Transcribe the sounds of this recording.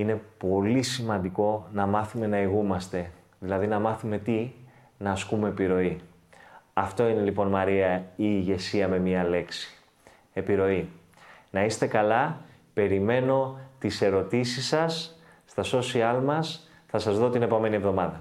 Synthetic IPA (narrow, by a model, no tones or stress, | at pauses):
ine̞po̞lisimɐnd̪iko̞nɐmɐθume̞nɐiɣumɐst̪e̞ | ðilɐðinɐmɐθume̞t̪i | nɐːskume̞ːpiɾo̞i | ɐft̪o̞ine̞lipo̞nmɐɾiɐiːʝe̞siɐme̞miɐle̞ksi̥ | e̞piɾo̞i | nɐist̪e̞kɐlɐ | pe̞ɾime̞no̞t̪ise̞ɾo̞t̪isisɐsː | t̪ɐso̞siɐlmɐs | θɐsɐzðo̞t̪ine̞po̞me̞nievðo̞mɐðɐ